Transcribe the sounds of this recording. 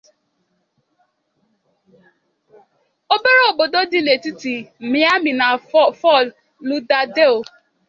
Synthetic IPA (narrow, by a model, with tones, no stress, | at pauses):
o˦be˦ɾo˦o˨bo˨do˦di˦˨le˨ti˦ti˨m̩˨mĩ˦a˦mĩ˨nã˨fɔ˦˨fɔ˦˨l | nũ˦da˦de˦o˨